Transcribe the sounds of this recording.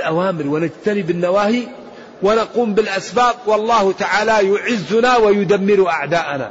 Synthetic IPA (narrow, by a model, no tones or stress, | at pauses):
lʔawaːmɪɾwɪnad͡ʒt̪anibɪnːawaːhi | wɪnaquːmbɪlʔasbaːb̚wɑlˤːɑːht̪aʕaːlajʊʕɪzːʊnawajʊd̪amːɪɾʔaʕd̪aːʔana̰